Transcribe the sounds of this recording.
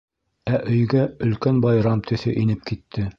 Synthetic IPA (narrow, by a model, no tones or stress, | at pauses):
æʔɵ̆jɡæɵ̆lkænbɑjɾɑmt̪ʰɵ̆θɵʔinɘp̚kit̪ʰːɘ